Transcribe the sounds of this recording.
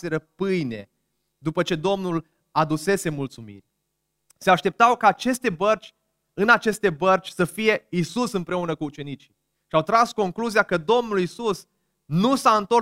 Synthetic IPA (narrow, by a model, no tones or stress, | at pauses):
seɾəpɨjne̞̰ | d̪upət͡ʃe̞d̪o̞mnul | ad̪use̞se̞mult̪sumḭrʲ | se̞aʃt̪e̞p̚t̪awkaːt͡ʃe̞st̪e̞bərt͡ʃʲ | ɨnat͡ʃe̞st̪e̞bərt͡ʃʲsəfije̞isusɨmpɾe̞unəkuːt͡ʃe̞nit͡ʃi̥ | ʃiawt̪ɾasko̞ŋkluzijakəd̪o̞mnulisus | nusaɨnt̪o̞